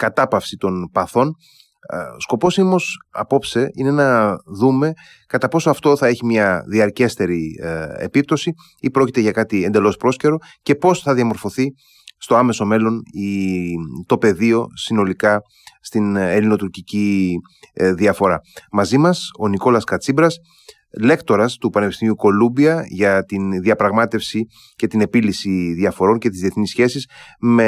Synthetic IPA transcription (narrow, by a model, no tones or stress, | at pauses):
kɐt̪ɐpɐfsit̪o̞npɐθo̞n | sko̞po̞siomo̞sɐ̰po̞pse̞ine̞nɐðume̞ | kɐt̪ɐpo̞soɐft̪o̞θɐe̞çimɲɐðiɐɾce̞st̪e̞ɾiḛpip̚t̪o̞si | ipɾo̞cit̪eʝɐkɐt̪ie̞nd̪e̞lo̞spɾo̞sce̞ɾo̞ | ce̞po̞sθɐðiɐmo̞ɾfo̞θi | st̪o̞ɐme̞so̞me̞lo̞ni | t̪o̞pe̞ðio̞sino̞likɐ | st̪inelino̞t̪uɾcici | ðiɐfo̞ɾɐ̰mɐzimɐso̞niko̞lɐskɐt͡sibɾɐs | le̞kt̪o̞ɾɐst̪upɐnepist̪imiuko̞lumbiɐʝɐt̪inðiɐpɾɐɣmɐt̪e̞fsi | ce̞t̪ine̞pilisiðiɐfo̞ɾo̞nce̞t̪izðie̞θnisçe̞sisme